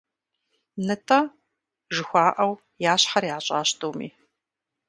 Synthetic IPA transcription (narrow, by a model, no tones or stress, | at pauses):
nɨtʰa | ʒɨxʷaːʔɐw | jaːɕħɐrjaːɕʼaːɕtʰʼowmḭː